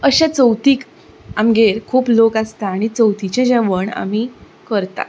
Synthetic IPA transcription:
əɕat͡səwt̪iːk | amɡeɾkʰuːplokast̪aːɽ̃it͡səwt̪it͡ɕẽd͡ʑaʋəɳa̰m̤i | kəɾt̪a̰

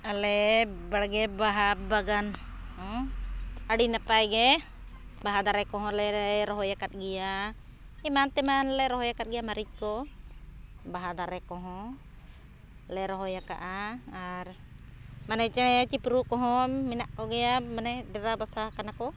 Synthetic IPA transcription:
alɛbaɽɡɛbaɦabaɡan | aɽinapajɡɛ | baɦad̪aɾɛkɔɦɔ̃lɛɾɔɦɔjakat̪̚ɡɛja | ɛmant̪ɛmanlɛɾɔɦɔjakat̪̚ɡɛjamaɾic̚kɔ | baɦad̪aɾɛkɔɦɔ̃ | lɛɾɔɦɔjaka̰ʔaaɾ | manɛt͡ʃɛjat͡ʃipɾukɔɦɔ̃minaʔkɔɡɛjamanɛɖɛɾabasakanakɔ

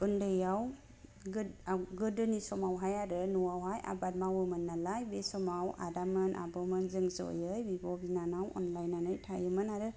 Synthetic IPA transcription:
undɯjaw | ɡɯawɡɯdɯnisɔmawɦajaɾɯnuwawɦajʔa̰bad̚mawɯmɯnːalajbesɔmawa̰damɯnʔa̰bɔmɯnzɯŋzɔ̰jɯjbibɔbinanawɔ̰nlajnanɯjtʰajɯmɯnaɾɯ

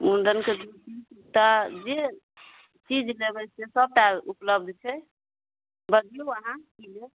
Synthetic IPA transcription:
mund̪ənked̪uɾtisukt̪ad͡ʒe | t͡ʃid͡ʒlebət͡ʃsesəb̚ʈalupləb̚d̪ʱt͡ʃʰɛ | bəd̪ijoəɦãkile

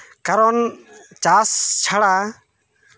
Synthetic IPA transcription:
kaɾɔn | t͡ʃast͡ʃʰaɽa

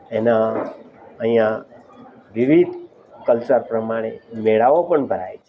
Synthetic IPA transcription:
ena | əɦĩjã | ʋiʋid̪ʱ | kəlt͡ʃaɾpɾəmaɽ̃emeɭaʋopəɳbʱəɾaet͡ʃʰ

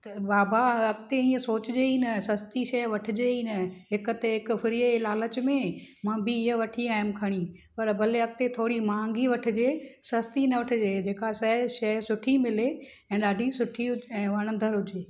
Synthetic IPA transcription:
t̪ɐbaːbaɐkt̪eĩːə̃soːt͡ɕɪd͡ʑeːinɐsɐst̪iʃɐjʋɐʈʰɪ̆d͡ʑeːinɐɦɪkʊt̪eɪkfɪɾielaːlət͡ɕmẽmãːbɪɪə̃ʋɐʈʰiaːɪmkʰɐɽ̃i | pɐɾbʱɐleɐk̚t̪et̪ʰoːɽimãːŋɡiʋɐʈʰɪ̆d͡ʑeːsɐst̪inɐʋɐʈʰɪd͡ʑeːd͡ʑeːkasɐʃɐɦsʊʈʰimɪle | ɛ̃ːɗaːɖʱisʊʈʰiʊɛ̃ːʋɐɽ̃ə̃nd̪əɾɦʊd͡ʑeː

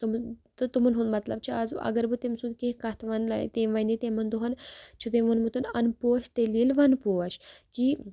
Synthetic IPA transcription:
t̪umt̪ɨt̪umɨnɦund̪mɐt̪lɐbt͡ʃʰiɐzɐ̰ɡɐɾbɨt̪emsund̪̚kekɐt̪ʰʋɐnla̰t̪eʋɐnit̪emɐnd̪uɦɐnt͡ʃʰut̪emʋunmut̪unɐnpoːʃt̪elilʋɐnpoːɐʃki

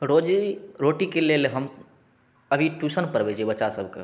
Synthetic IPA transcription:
ɾod͡ʒiɾoʈikelelɦəm | əbʱiʈusənpəɾbɛt͡ʃʰiɛbətːʃasəbʱkḛ

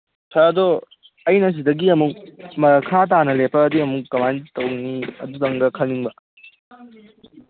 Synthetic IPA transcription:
tʰɐɐdɔ | ɐjnɐs̬idɐɡiɐmuk̚mɐkʰat̬anɐlepːɐːdiɐmukːɐmantɐwniɐ̰dutɐŋɡɐkʰɐlniŋbɐ

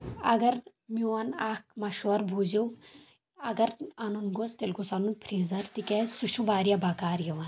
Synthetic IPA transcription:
ɐ̰ɡɐɾ | miɐnaːkmɐʃoːɾbʱuːziw | ɐɡɐɾɐnunɡost̪elɡosɐnunpʰɾiːzɐɾt̪ikɛsuʃũʋaːɾijabakaːɾjiʋɐn

